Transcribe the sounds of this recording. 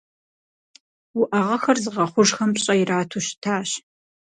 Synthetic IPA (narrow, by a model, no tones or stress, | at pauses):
wʊʔɐʁɐxɐrzɨʁɐχʷʊʂxɐmɕʼɐjɪraːtʰuɕtʰaːɕ